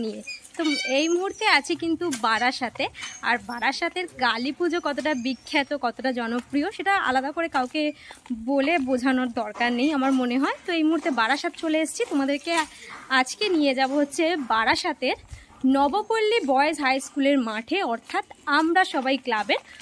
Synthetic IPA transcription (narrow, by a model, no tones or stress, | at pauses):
nijet̪oejmuɦuɾt̪eat͡ɕʰikint̪ubaɾaʃat̪eaɾbaɽaʃat̪eɾɡalipud͡ʑokɔt̪oʈabikʰːat̪okɔt̪oʈad͡ʑɔnopɾioʃeʈaa̰lad̪akoɾekawkebolebod͡ʑʱanoɾd̪ɔɾkaɾnejamaɾmoneɦɔet̪oejmuɦuɾt̪ebaɽaʃat̪̚t͡ɕʰoleeʃt͡ɕʰit̪omad̪eɾkead͡ʑkenijed͡ʑaboɦotːɕʰebaɽaʃat̪eɾ | nɔbopolːibɔeesɦajskuleɾmaʈʰeɔɾt̪ʰat̪amɾaʃɔbajklaben